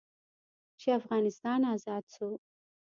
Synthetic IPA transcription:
t͡ʃʰiafʁaːnist̪aːnaːzaːt͡sʰu

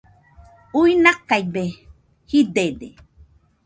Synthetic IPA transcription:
uinakajbe | hid̪ed̪ḛ

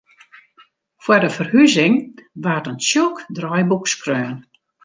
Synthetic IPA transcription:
fwədəfərhyzɪŋʋaːtənsjokdrɔjbukskrøːn

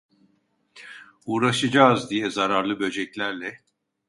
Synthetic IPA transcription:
uːɾaʃɯd͡ʒaːzd̪ijɛzaɾaɾlˠɯbø̞d͡ʒɛclʲæɾlʲɛ

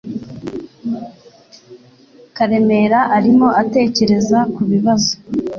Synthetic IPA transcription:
kaɾe̞me̞ɾaʔaɾimo̞ʔate̞ːce̞ɾe̞zakuβiβazo̥

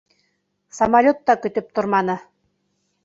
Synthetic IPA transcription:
sɐmalʲot̪ːɑkɵ̆t̪ɘ̆p̚t̪ŏrmɑnɤ̆

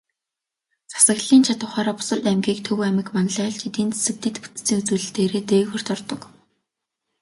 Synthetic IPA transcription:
t͡sḁsə̆ɣɮiːnt͡ɕʰat̪ʊ̆χaːɾaːpʊ̥sə̆ɮt̪æmɡʲiːk̚t̪ʰɵwæmɘ̆kmanə̆ɮæːɮt͡ɕit̪iːnt͡sʰe̥sɘ̆k̚t̪ĭt̪pu̥t͡s̪t͡siːŋut͡suːɮɘ̆ɬt̪eːɾeːt̪eːxɔr̥t̪ɔrt̪ɞ̆k

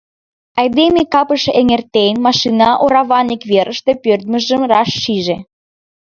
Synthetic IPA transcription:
ɑjd̪emekɑpəʃeŋert̪enmɑʃinɑʔoɾɑβɑnikβeɾʔəʃt̪epørt̪̚mə̆ʒəmrɑʃːiʒe

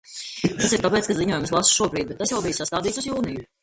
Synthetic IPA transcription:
t̪asiɾt̪apeːt̪kaziɲuɔjumslˠasʃuɔbɾiːd̪bɛt̪ːasjawbijusast̪aːd̪iːt̪suzjuːniju

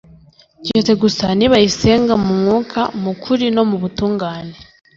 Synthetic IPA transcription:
ɟet͡se̞ɡusaniβajise̞ːŋɡamumŋuːkʰamukʰuɾino̞muβutuːŋɡaːne

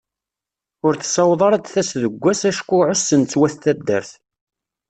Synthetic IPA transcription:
ʊɾθsɑwðˤɑɾˤɑd̪θæsðəɡʷːæsæʃkʷːʊʕosːənt͡sːwæθθæd̪ːə̰ɾθ

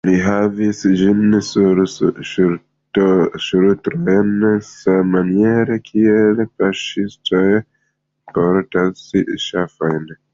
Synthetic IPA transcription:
liɦavisd͡ʒinsuɾʃu | ʃuɾutɾojnsamanieɾekʰielfaʃistʰoj | poɾtasiʃafojn

